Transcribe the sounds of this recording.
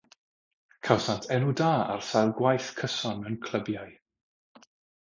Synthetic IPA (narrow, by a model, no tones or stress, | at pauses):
kʰawsantʰɛnudaːa̰rsajlˠɡwajθkʰəsɔnənkʰl̥ˠəbjaɨ